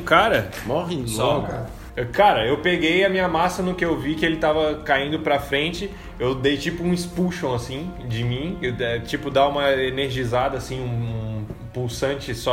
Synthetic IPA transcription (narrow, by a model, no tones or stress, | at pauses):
kaɾɐ | mɔɦẽslɔk | kaɾɐewpeɡejɐmĩɲɐmasɐnʊkɪewvikɪelɪt̪avɐkaĩnd̪ʊpɾɐfɾẽnt͡ʃɪ | ewd̪ejt͡ʃipʊũɪspuʃõw̃asĩd͡ʒɪmĩeɛt͡ʃipʊd̪aũmɐeneɾʒizad̪ɐːsĩũ | puwsɐ̃t͡ʃɪsɔ